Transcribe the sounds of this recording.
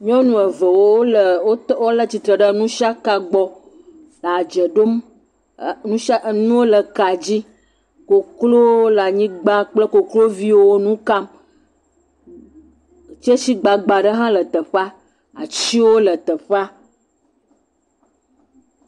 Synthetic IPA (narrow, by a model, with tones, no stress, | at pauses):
ɲɔ̃˦nũ˨ə˨və˨wo˦lə˨o˦wo˦lə˦t͡ɕi˨t̪ɾə˨ɖə˦nũ˦ʃa˦ka˨ɡ͡bɔ˦ | lə˨a˨d͡ʒə˨ɖo˦m | nũ˦a˦˨nũ˦wo˦lə˨ka˨d͡ʑi˦ | ko˨klo˦lə˨a˨ɲĩ˦ɡ͡ba˦k͡plə˦ko˨klo˦vi˦wo˦nũ˦ka˦m˨ | t͡ʃe˦si˦ɡ͡ba˨ɡ͡ba˨ɖə˦ɦã˦lə˨t̪ə˨ɸa˦ | a̰˨t͡ɕi˦wo˦lə˨t̪ə˨ɸa˦